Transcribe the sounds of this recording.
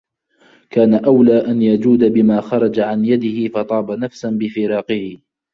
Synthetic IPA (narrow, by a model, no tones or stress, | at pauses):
kaːnaʔawlaːʔanjad͡ʒuːd̪abɪmaːxɑɾˤɑd͡ʒaʕanjad̪ɪhɪfɑt̪ˤɑːbanafsanbɪfɪɾɑːqɨhɪ